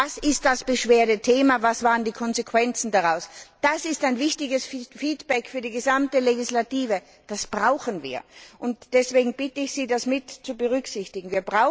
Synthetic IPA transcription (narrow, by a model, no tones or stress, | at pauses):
asɪst̚d̥asb̥əʃv̥eːɐtətʰeːmavasv̥aːʁəndiːkʰɔnzekʰv̥ɛnt͡sn̩daʁaʊsd̥asɪstaɪnvɪçtɪɡəsfiːtb̥ɛkfyːɐdiːɡəzamtəleɡɪslatiːvə | d̥asb̥ʁaʊxənvḭːɐʔʊntd̥ɛsv̥eːɡŋ̩b̥ɪtəɪçsiːdasmɪtt͡subəʁ̞ʏksɪçtɪɡŋ̩viːɐbʁaʊ